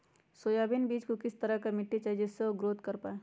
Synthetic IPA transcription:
soːjabɪnbiːd͡ʒkokɪst̪əɾəɦkamɪʈːit͡ʃad͡ʒɪsːeoɡɾoːt̪kɐɾpaːe

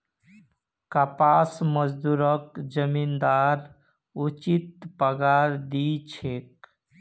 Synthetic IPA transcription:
kapasməd͡ʒd̪uɾəkd͡ʒəmind̪aɾ | ut͡ʃit̪̚pəɡaɾd̪it͡ʃʰek̚

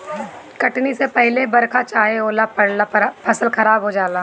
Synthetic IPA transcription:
kɐʈnisepɛɦlebɐɾkʰat͡ʃaːɦeoːlapɐɽlapʰɐsəlxɐɾaːbɦod͡ʒaːla

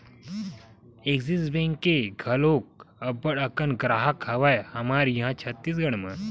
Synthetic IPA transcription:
eɡd͡zisbẽŋkeɡʱəlok̚əbəɽəkənɡɾaɦakɦaʋajhamaɾjĩɦãt͡ɕʰət̪ːiːsɡəɽmə

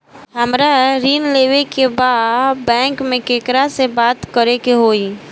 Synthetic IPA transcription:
ɦəmɾaɾiːnleːʋekebaːbɛ̃ːŋkmẽkeːkɾasebaːt̪kəɾekeɦoːiː

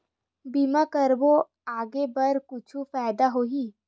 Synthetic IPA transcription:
biːmakəɾbo | aːɡebɐɾkʊt͡ʃʰufaːɪd̪aɦoːɦiː

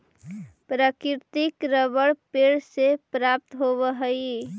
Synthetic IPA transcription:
pɾəkiɾt̪ikɾəbəɽpeɽsepɾap̚t̪ɦoβəɦəj

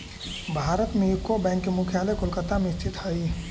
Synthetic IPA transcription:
bʱaɾət̪meikːobãŋkːemukʰjaləjkolkət̪amest͡ʃit̪həj

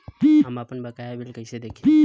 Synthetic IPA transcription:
biambapɐnbakajabɪlkased̪akʲi

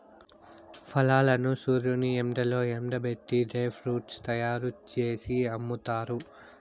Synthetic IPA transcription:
pʰɐlaːlɐnusuːɾjuniemɖɐlo̞ːemɖɐbe̞ʈːiɖeːpʰɾuːʈst̪ɐjaːɾut͡ʃe̞ːsiɐmːut̪aːɾu

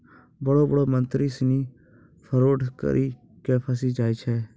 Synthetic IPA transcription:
bəɽobəɽoːmə̃nt̪ɾisniː | pʰəɾoːʈkə̰ɾʔiː | keːpʰəs̬id͡ʒaːit͡ʃʰɛː

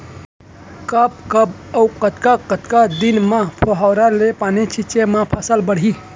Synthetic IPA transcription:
kəb̚kəb̚əwkət̪kakət̪kad̪inmãpʰoɦawɾalepaːnit͡ʃʰit͡ʃemãpʰəsəlbəɽ̤i

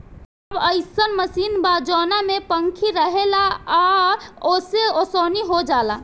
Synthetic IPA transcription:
əbəɪsənməsinbad͡ʒɔnamepəŋkʰiɾəɦelaaoseosoniɦod͡ʒala

